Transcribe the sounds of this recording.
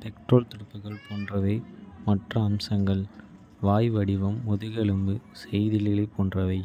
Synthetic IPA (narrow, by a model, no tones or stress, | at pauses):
pɛkʈroːlt̪ɪɽɯpːɯɣɐɭpoːndrɐʋɐɪmɐʈrɐːmsɐŋɡɐɭ | ʋaːjʋɐɽɪʋɐmːɔðɯɣɐɭɯmbɯsɛjðɪlɪlɐɪpːoːndrɐʋɐɪ